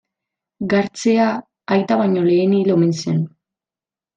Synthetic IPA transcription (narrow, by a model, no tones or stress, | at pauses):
ɡaɾt͡se̞aː | jt̪aβaɲo̞le̞ːnilo̞mensien